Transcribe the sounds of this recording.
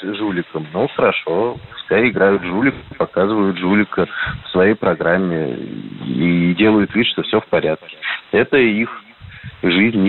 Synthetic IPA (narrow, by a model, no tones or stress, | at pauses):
ʐulʲɪkəmnoxəɾɐʂo̞pʊ̥skaɾʲɪɪɡɾajʊt̪ʐulʲɪkəpɐkazɨvʊjʊt̪ʐulʲɪkəfsvɐjejpɾɐɡɾamʲːɪ̰ | idʲe̞lˠəjʊt̪vʲit̪ʂt̪ofsʲɵfpɐɾʲat̪̚kʲɪ̥ɛt̪əix | ʐɨzʲnʲ